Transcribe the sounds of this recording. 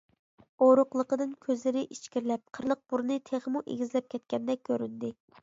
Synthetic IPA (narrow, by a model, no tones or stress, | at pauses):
oɾʊqlˠəqəd̪ɨnkʲʰøzlɪɾɪʔit͡ʃkʲiɾlɛp̚qʰəɾlˠəq̚b̥uɾnɨt̪ʰeʁəmuʔḛɡʲizlɛp̚kʲʰɛt̪̚kʲɛnd̪ɛkʲʰːøɾynd̪ɪ